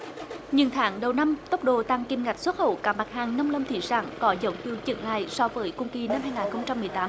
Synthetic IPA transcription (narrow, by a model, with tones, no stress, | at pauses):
ɲɨ̰˧˨ŋt̪ʰaː˨˦ŋɗə˨˩wna˧mt̪ə˦˥wk͡p̚ɗo̰˧˨t̪a˧ŋki˧˩mŋa˨˩jk̟̚swə˦˥t̚ho̰˧˨kaː˨˩ma˨˩t̚haː˨˩ŋna˧wŋ͡mlə˧wŋ͡mt̪ʰḭ˧˩za̰ː˧˩ŋkɔ˨˦zə˨˦wŋ͡mkɨ˧əwt͡ɕə̰˧˩ŋla̰ː˧˨jsɔ˧vəː˨˦jkʊ˧ŋ͡mki˧na˧mhaː˧jŋaː˨˩nxə˧wŋ͡mt͡ɕa˧mːɨ˨˩əjt̪aː˨˦m